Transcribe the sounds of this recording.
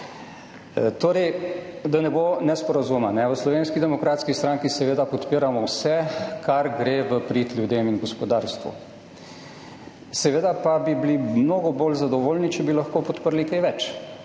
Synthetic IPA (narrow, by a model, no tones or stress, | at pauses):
t̪oːɾɛjd̪anɛbonɛspɔɾazumanɛʋəslɔʋeːnskid̪ɛmɔkɾaːt̪skist̪ɾaŋkisɛʋeːd̪apɔt̪piːɾamɔwsɛkʰaɾɡɾeːʋəpɾit̪lʲjud̪eːminɡɔspɔd̪aːɾst̪ʋṵ | sɛʋeːd̪apabiblimnoɡɔboːlzad̪ɔʋoːlnit͡ʃɛbilaxkoːpɔt̪pəɾlikejʋɛt͡ʃ